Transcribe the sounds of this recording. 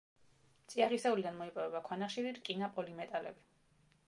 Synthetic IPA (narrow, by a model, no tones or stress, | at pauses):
mt̪sʼiaʁisɛulid̪anmɔipʼɔvɛbakʰwanaχʃiɾiɾkʼinapʼɔlimɛt̪ʼalɛ̰bi